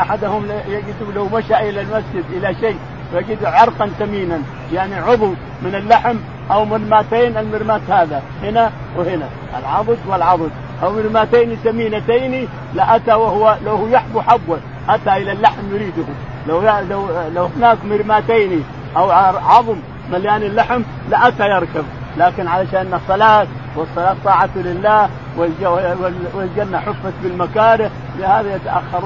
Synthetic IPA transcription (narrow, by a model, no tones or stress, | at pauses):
ʔaħad̪hʊmljaɡɪd̪ulawmaʃaʔɪlalmasd͡ʒɪd̪ʔɪlaʃeː | wjaɡɪd̪ʕɑɾˤqɑnt̪amiːnan | jaʕniʕʊðˤuw | mɪnalːaħm | ʔawmɪɾmaːt̪eːnalmɪɾmaːt̪haːða | hɪna | wɪhɪna | ʔa̰lʕɑðˤɨd̪wɪlʕɑðˤɨd̪̚ | ʔawmɪɾmaːt̪aːnisamiːnat̪aːni | laʔat̪awahʊwalawhujaħb̪uħabːal | ʔat̪aʔɪlalːaħmjʊɾiːd̪ʊhʊm | lawalawlawhɪnaːkmɪɾmaːt̪aːni | ʔawʕɑðˤmː | aljaːnɪlːaħm | laʔat̪ajɑɾˤkab | laːkɪnʕalaʃaːnːɑsˤːɑlaːt̪ | wɨsˤːɑlɑːt̪ːˤɑːʕat̪lɪlːaː | wɪld͡ʒawɪwɪld͡ʒanːaħʊfːat̪bɪlmakaːɾɪ | lhaːðajat̪aʔa̰xːɑɾˤuː